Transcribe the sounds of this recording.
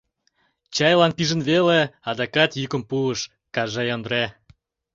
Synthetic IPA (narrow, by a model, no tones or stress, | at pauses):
t͡ɕɑjlɑnpiʒə̆nβeleɑd̪ɑkɑt̪jykə̆mpuəʃ | kɑʒɑjond̪ɾe